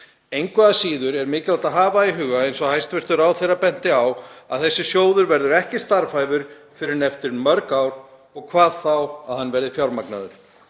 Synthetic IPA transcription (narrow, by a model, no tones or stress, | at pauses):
ejŋkvɛðasiːðʏɾɛɾmɪːcɪlat̪aðɦaːvaiɦʏːɣaejnsɔhajst̪vɪr̥t̪ʏɾawθejɾapɛn̥t̪ɪawa̰ðθɛsːɪsjoːwðʏɾvɛɾðʏɾɛhcɪst̪aɾfajvʏɾ̥ | fɪɾɪɾnɛft̪ɪɾmœɾkawɾ̥ | ɔɣkʰvaːðθawaðhanːvɛɾðɪfjawɾmakna̰ðʏɾ̥